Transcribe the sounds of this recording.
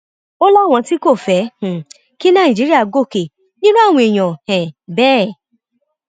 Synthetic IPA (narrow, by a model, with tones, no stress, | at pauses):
o˦lɔ˦˨w̃ɔ̃˧ti˦ko˦˨fɛ˨˦h̩˨ | ki˦nã˦˨d͡ʒi˨˦ɾi˦a˦˨ɡo˦˨ke˨ | nĩ˦nũ˦a˦˨w̃ɔ̃˧e˨j̃ɔ̃˨hɛ̃˨bɛː˦˨